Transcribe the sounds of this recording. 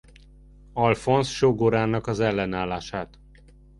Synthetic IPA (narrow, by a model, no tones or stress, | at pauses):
ɒlfo̞nsʃoɡoɾaːnɒkɒzɛlːɛnaːlːaːʃaːt̪